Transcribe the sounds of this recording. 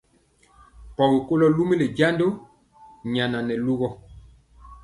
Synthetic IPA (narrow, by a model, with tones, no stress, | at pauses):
pɔ˨be˨ko˦lɔ˦lu˦mi˦le˨d͡ʒa˦ndo˦ | ɲa˨na˨nɛ˨lu˦ɣɔ˦